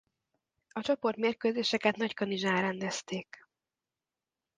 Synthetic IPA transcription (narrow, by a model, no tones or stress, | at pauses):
ɒt͡ʃɒpo̞rt̪meːrkøːzeːʃɛkɛt̪nɒckɒniʒaːɾɛnd̪ɛst̪eːk